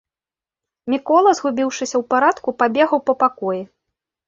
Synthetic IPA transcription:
mʲikɔlˠɐzɣubʲiwʂɨsʲɐwpaɾat̪kupabʲɛɣɐwpɐpakɔji

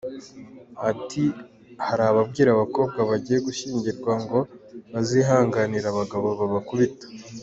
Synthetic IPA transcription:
atʰi | haɾaβab̚ɡiːɾaβako̞ːb̚ɡwaβaɟije̞ɡuʃiːɲɟiɾɡwaŋɡo̞βaziɦaːŋɡaniɾaβaɡaβo̞βaβakuβitḁ

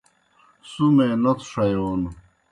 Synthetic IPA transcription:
sumẽnot̪ʰʂɐjonu

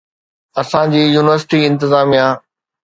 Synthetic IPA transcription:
ɐsãd͡ʑiːjuːnɪʋəɾsɪ̥ʈiɪ̃nt̪ɪzaːmijã

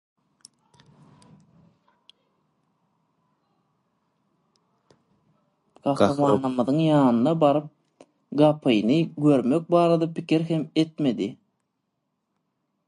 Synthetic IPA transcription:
ɡ̥ɑxɾɑmɑːnɯmɯðɯŋjɑːnɯnɑbɑɾɯp̚ | ɡɑpʰɯjnɯɡø̞ɾmø̞k̚bɑːɾɑd̪ɑpikiɾɦeme̞t̪me̞d̪i

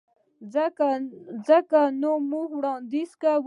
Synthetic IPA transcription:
azəkanomuhwɽɑnd̪izkaw

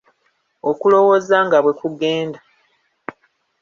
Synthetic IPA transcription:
okulo̞wo̞zaŋɡaβwe̞kuɡe̞ːnda

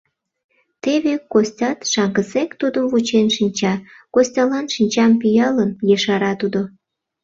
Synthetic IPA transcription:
t̪eβekosʲtʲɑt̪ʃɑŋɡəsekt̪ud̪əmvut͡ɕenʃinʲt͡ɕɑ | kosʲtʲɑlɑnʃinʲt͡ɕɑmpijɑlənjeʃɑɾɑt̪ud̪o

